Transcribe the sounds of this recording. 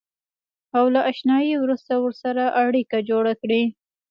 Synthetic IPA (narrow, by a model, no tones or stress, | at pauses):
awlaʔaʃnɑjewɾust̪awəɾsaɾaʔaɽikad͡ʒoɽakɽi